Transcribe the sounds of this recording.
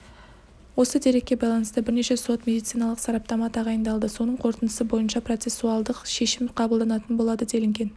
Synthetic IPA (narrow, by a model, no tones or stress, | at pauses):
wo̞səd̪e̞ɾe̞kʲːe̞bɑjlˠɑnəst̪əbɪɾne̞ʃe̞so̞t̪mʲe̞d̪ijt̪sijnɑlˠəqsɑɾɑp̚t̪ɑmɑt̪ʰɑʁɑjənd̪ɑlˠd̪əso̞nəɴqʰo̞ɾt̪ənd̪əsəbo̞jənʃɑpro̞t̪se̞suɑlˠd̪əqʃe̞ʃɪmqʰɑblˠd̪ɑnɑt̪ənbo̞lˠɑd̪əd̪e̞lɪŋɡʲe̞n